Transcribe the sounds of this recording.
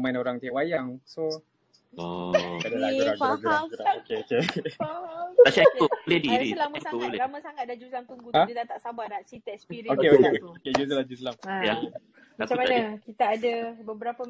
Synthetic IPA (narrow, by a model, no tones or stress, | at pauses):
mainoɾaŋt̪iaʔwajaŋso | adaauɾaɡaɡɾuɾaokeke | aʃaulediilamə̃saleɾamə̃saŋat̪̚dad͡ʒuslamt̪uŋɡuadid̪at̪aʔsabanaʔsit̪ɛspiɾiokeokeokoked͡ʒusəlad͡ʒuslamja | maat͡ʃamanakit̪aːdabəbəɾapə